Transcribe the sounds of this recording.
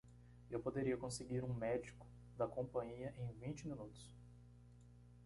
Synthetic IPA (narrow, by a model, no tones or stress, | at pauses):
ewpod̪eɾiɐkõseɡiɾũmɛd͡ʒikʊ̥ | d̪ɐkõpɐ̃ɲiɐʔẽj̃vĩnt͡ʃɪmĩnut̪ʊ̥s